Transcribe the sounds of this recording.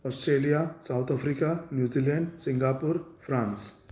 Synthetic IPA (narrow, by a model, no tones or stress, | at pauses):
ɔsʈɾelijasawt̪ʰafɾikanjuːzileɳɖsiŋɡapuɾfʰɾãːns